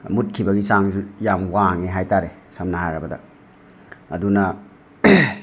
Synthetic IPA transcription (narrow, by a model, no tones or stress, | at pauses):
mut̚kʰibɐɡisaŋzujamwaŋeɦajtaɾe | samnɐhajɾɐbɐdɐ̰ː | dunɐ